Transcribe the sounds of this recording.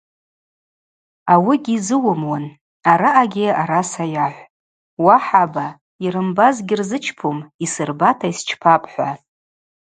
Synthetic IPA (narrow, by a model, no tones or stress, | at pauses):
awiɡʲiːzɨwʊmwan | aɾaʔaɡʲɪaɾasajaħʷ | waħaba | iɾɨmbazɡʲɪrzɨt͡ʃʰpʰumisɨrbatʰaist͡ʃʰpʰapʼħʷa